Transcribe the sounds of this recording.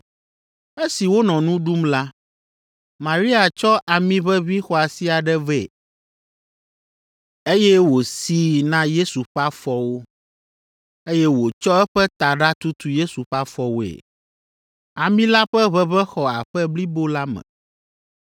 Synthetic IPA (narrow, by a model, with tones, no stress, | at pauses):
e˦si˨wo˦nɔ̃˨nũ˦ɖu˦mla˦ | mã˨ɾi˦a˨t͡ʃɔ˦ʔa˨mĩ˦βɛ˦βi˦xɔ˦a˨si˦a˨ɖɛ˦vɛ˨ | e˦jɛ˦wo˨si˦nã˦je˦su˨ɸa˦fɔ˦wo˦ | e˦jɛ˦wo˨t͡ʃɔ˦ɛ˦ɸɛ˦t̪a˨ɖa˦t̪u˦t̪u˨je˦su˨ɸa˦fɔ˦wo˨ḛ˨ | a˨mĩ˦la˦ɸɛ˦βɛ˦βɛ˦xɔ˨a˨ɸɛ˦bli˦bo˦la˦mɛ̰̃˨